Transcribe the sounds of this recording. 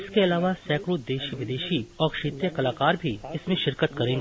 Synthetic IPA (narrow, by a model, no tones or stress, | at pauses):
ɪskeɐlaːʋasɛːkɾʊt̪̚d̪eːʃiʋɪd̪eːʃiɔːɾkʃeːt̪ɾjəkɐlaːkaːɾbʱiɪsmẽʃɪɾkət̪kɐɾẽːŋɡː